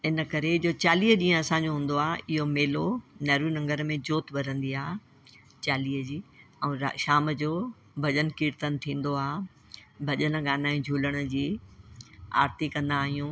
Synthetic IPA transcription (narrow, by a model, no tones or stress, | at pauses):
ɪnə̆kɐɾed͡ʑoːt͡ɕaːliːɦʄĩːə̃ɐsãɲd͡ʑoɦũːn̆d̪oaːʔɪɦomeːlonɐːɾunɐ̃ŋɡəɾmẽd͡ʑoːt̪bɐɾə̃nd̪iaː | t͡ɕaːliːɦəd͡ʑiː | ɛ̃ːʃaːməd͡ʑoː | bʱɐʄənkiːɾt̪ənɪ̆t̪ʰĩːn̆d̪oaːɦ | bʱɐʄənə̆ɠaːnaːĩd͡ʑʱuːləɽ̃ə̆d͡ʑiː | a̰ːɾt̪ikɐ̃nd̪aːɦijũː